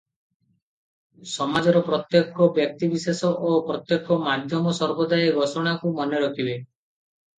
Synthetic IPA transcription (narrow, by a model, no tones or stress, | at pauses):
sɔmad͡ʒɔɾɔpɾɔt̪jekɔbjɔk̚t̪ibisesɔʔopɾɔt̪jekɔmad̪ʱjɔmɔsɔɾbɔd̪ajeɡʱɔsɔɽ̃akumɔneɾɔkʰile